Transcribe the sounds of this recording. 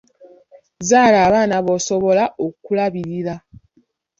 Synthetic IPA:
zaːlaːβaːnaβoso̞βo̞laʔokulaβiɾiɾa

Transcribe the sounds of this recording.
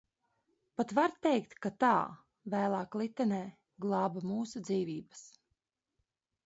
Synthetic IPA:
pat̪vaɾt̪ɛjkt̪kat̪aː | væːlˠɑːklˠit̪ːɛnɛː | ɡlˠɑːbamuːsud̪ziːvʲiːbɐ̥s

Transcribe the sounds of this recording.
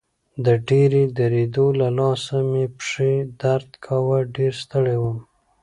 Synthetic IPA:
d̪əɖeɾed̪aɾed̪olalɑsamepʂed̪aɾd̪kʰawaɖeɾst̪əɽewəm

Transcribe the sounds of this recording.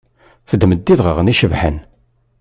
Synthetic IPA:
θəd̪məd̪ːiðʁəʁniʃəvħə̰n

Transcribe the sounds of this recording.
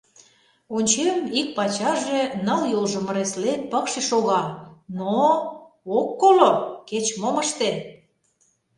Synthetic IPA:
unʲt͡ɕemik̚pɑt͡ɕɑʒenəljolʒə̆mə̆ɾeslepəkʃiʃoɣɑno | okːoloket͡ɕmoməʃt̪e

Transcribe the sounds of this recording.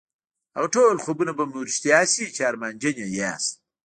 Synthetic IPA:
a̰ɣʈoːlχoːbunɐbɐmuɾʃt̪ijaːsit͡ʃaːɾmaːnʲd͡ʒɐnaja̰ːs

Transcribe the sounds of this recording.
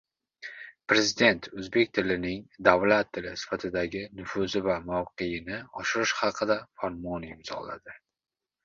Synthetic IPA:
pɾe̞zɪd̪e̞nt̪ʰɵzbe̞kʲt̪ʰɪlɪnɪŋd̪avlat̪ʰːɪlɪsɪ̥fat̪ʰɪd̪aɡʲɪnʊfʊzɪvamawqejɪnɪɒʃɪɾɪʃhɑqʰɨd̪afaɾmɒnɪmz̥ɒ̰la̰d̪ɪ

